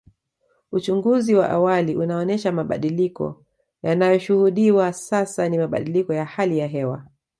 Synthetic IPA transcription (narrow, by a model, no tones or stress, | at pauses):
ut͡ʃuŋɡuziwa̰ʔa̰waliʔunaɔnɛʃamaɓa̰ɗilikɔ̰ | janajɔʃuhuɗiwasasanimaɓa̰ɗilikɔjahalijaɦɛwa̰